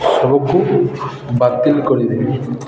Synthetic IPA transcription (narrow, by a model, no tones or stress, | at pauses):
sɔbɔkːu | bat̪ːilikɔɾid̪ebi